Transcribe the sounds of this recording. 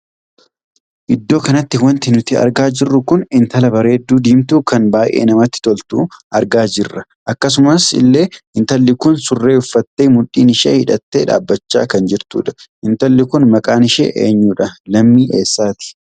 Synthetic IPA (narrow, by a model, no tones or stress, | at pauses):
ʔɪd̪ːo̞ːkɐnɐt̪ːɪwɐnt̪ɪnʊt̪ɪɐ̰ɾɡaːd͡ʒɪrːʊkʊnɪnt̪ɐlɐbɐɾeːd̪ːuːd̪iːmt̪uːkɐnbaːjʔḛːnɐmɐt̪ːɪ̥t̪ɔlt̪ṵːʔɐɾɡaːd͡ʒɪrːɐ | ʔɐkːɐs̬ʊmɐsɪ̰lːe̞ːɪnt̪ɐlːɪkʊnsʊrːe̞ːʊfːɐt̪ːeːmʊᶑiːnɪʃḛːhɪᶑɐt̪ːeːᶑa̰ːbːɐt͡ʃːa̰ːkɐnd͡ʒɪɾt̪ṵːᶑɐ̥ɪnt̪ɐlːɪkʊnmɐkʼaːnɪʃḛːʔḛːɲːuːᶑɐlɐmːiːʔe̞ːsːaːt̪ɪ̥